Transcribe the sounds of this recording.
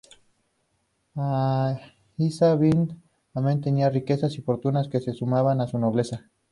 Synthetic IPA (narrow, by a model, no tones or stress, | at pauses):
a | isaβind̪ | ament̪eniarike̞sasifoɾt̪unaskese̞sumaβanasunoβle̞sa